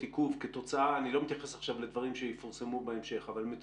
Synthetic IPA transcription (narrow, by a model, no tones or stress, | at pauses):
t̪ikuvket̪o̞t͡saʔaːnilo̞met̪jaχe̞saχʃavled̪vaʁimʃejefaʁsemubeemʃe̞χavalmet̪